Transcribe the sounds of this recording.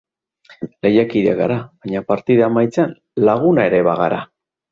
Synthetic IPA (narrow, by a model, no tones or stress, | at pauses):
le̞jakiðeaɣɡaɾaβajɲapaɾt̪iðamajt͡sean | laɣ̞unae̞ɾe̞βaɣaɾa